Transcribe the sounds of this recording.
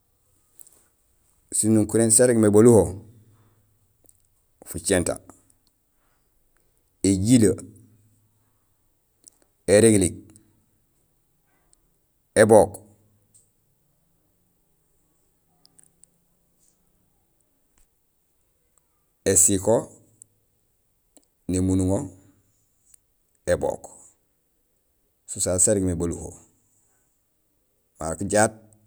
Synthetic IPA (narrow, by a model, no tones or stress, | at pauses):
sinuŋkuɾensaɾekmeboluho | fut͡ʃenta̰ | eɟila | eɾeɡlik̚ | ebok | esiko | nimunuŋo | ebo̰ːk | susaːsaɾiɡmebaluho̰ | makiɟaːt̚